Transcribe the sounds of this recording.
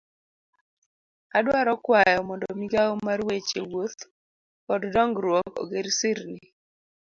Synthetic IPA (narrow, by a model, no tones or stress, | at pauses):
adwaɾɔkwajɔmɔndɔmiɡaomarwet͡ʃewot̪ | kɔddɔŋɡɾwɔkɔ̰ɡeɾsɪɾnɪ